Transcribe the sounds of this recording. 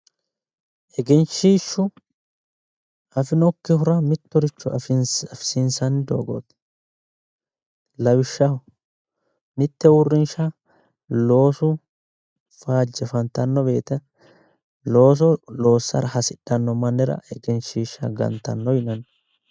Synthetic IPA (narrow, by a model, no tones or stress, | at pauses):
ʔɛɡɛnʃiːʃːʊ | ʔɐfɪnɔkːɪhʊɾɐmɪt̪ːɔɾɪt͡ʃːʊɐffsɪnsɐnd̪o̰ːɡo̰t̪ | lɐwɪʃːɐ | mɪt̪ːɛwʊrːɪnʃɐ | lo̞ːsʊ | faːd͡ʒːɛfɐnt̪ɐnːɔbe̞ːt̪ɛ | lo̞ːs̬ɔlo̞ːsːɐɾɐhɐsɪᶑːɐnːɔmɐnːɛɾɐ̰ʔɛɡɛnʃiːʃːɐ̰ɡɐ̰nt̪ːɐ̰nːɔjɪnɐn